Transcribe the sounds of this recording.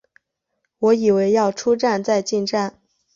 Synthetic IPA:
wɔ˧˥i˨˩we˧˥ɪjɑ˥˩ʊʈ͡ʂʰu˥ʈ͡ʂa˥˧nt͡sa˥˧ɪt͡ɕi˥˧nʈ͡ʂa˥˩n

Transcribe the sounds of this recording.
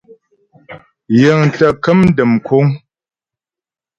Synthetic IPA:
jə˨ŋ˨ta˨kə˦mn̩˦də˨mkʰo˦ŋ

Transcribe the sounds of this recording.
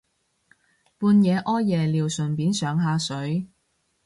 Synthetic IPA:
puː˧njɛː˨˧ʔɔː˥jjɛː˨liː˨˩wsɵ˨˩npiː˨˥nsœː˨˧ŋɦaː˧sɵ˨˥ɥ

